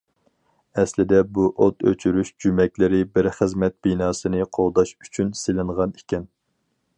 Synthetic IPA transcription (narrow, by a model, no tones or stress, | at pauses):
ɛslɪd̪ɛbuʔot̪ʰø̰t͡ʃʰyɾyʃd͡ʒymɛkʲlɪɾɪbɪɾχəzmɛt̪̚b̥inɑːsɨnɨqʰolˠd̪ɑʃy̥t͡ʃʰynsɪlɪɴʁɑni̥kʲʰɛn